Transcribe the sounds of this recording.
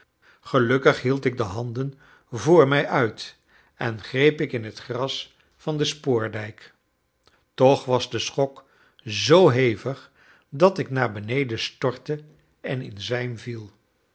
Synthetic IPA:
χəlɵkəχɦilˠtɪɡ̚dəɦɑndən | vʊːɹmɛjʔœɥt | ɛnχrejpɪkɪnɦətχrɑs | fɑndəspʊːɹdɛjk | tɔχʋɑzdəsχɔk | zowɦejvəχ | dɑtɪknaːɹbənejdəstɔɹtə | ɛnɪnzɛjmvilˠ

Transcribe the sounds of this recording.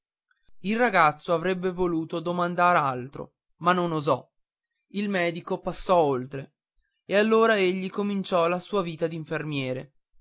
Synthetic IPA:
ilraɡat̪sːoavɾɛbːevoluːt̪od̪omand̪aːɾalt̪ɾo̰ | manːonozɔ | ilmɛːd̪ikopasːɔolt̪ɾe | ealːoːɾaeʎːikomint͡ʃɔlasuːaviːt̪ad̪iɱfermjɛːɾe

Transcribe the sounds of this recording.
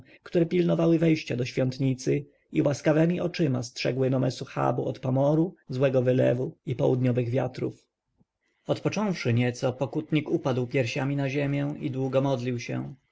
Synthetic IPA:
kt̪uɾɛpʲilnɔvawɘvɛjɕt͡ɕad̪ɔɕfʲjɔnt̪ɲit̪sɘ | iwaskavɛmʲiʔɔt͡ʂɘmastʂɛ̰ɡwɘnɔmɛsuxa̰buɔt̪pɔmɔɾuzwɛɡɔvɘlɛ̰vuipɔwud̪ɲɔvɘɣvʲjat̪ɾṵf | ɔt̪pɔt͡ʂɔ̃w̃fʂɘɲɛt̪sɔpɔkut̪ɲikupad̪wpʲjɛɾɕamʲinaʑemʲjɛ̃id̪wuɡɔmɔd̪lʲiwɕɛ̰

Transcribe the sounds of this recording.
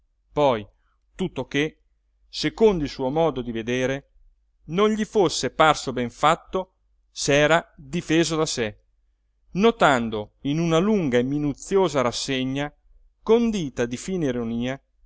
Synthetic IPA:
pɔj | t̪ut̪ːoke | sekond̪oilsuomɔːd̪od̪ived̪eːɾe | nonʎifosːeparsobɛɱfat̪ːo | sɛːɾad̪ifeːzod̪ase | not̪and̪oinunaluŋɡaemːinut̪sːjoːzaɾasːeɲːa | kond̪iːt̪ad̪ifiːneiɾoniːa

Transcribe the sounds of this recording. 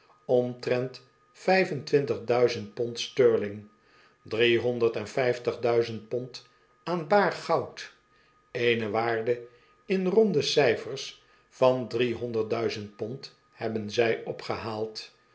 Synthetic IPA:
ɔmtrɛnt | fɛjvəntʋɪntəχdœɥzəntpɔntstøːɹlɪŋ | driɦɔndəɹtɛnfɛjftəχdœɥzənt̚pɔnt | aːnbaːrχɑwt | ejnəʋaːɹdə | ɪnrɔndəsɛjfəɹs | fɑndriɦɔndəɹt̚dœɥzənt̚pɔnt | hɛbənzɛjʔɔpχəɦaːlˠt

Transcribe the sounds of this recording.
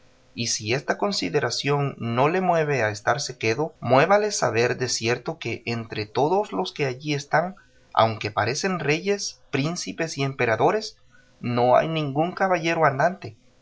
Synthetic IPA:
isiest̪ako̞nsiðe̞ɾasjo̞nnole̞mwe̞βeaest̪aɾse̞ke̞ðomwe̞βale̞sa̰βe̞ɾd̪e̞sje̞ɾt̪o̞ke̞ʔent̪ɾet̪o̞ðozlo̞ske̞aʝiest̪aŋ | a̰wŋke̞paɾe̞se̞nre̞ʝe̞spɾinsipe̞sie̞mpe̞ɾaðo̞ɾe̞s | no̞a̰jnĩŋɡuŋkaβaʝe̞ɾoand̪ant̪e̞

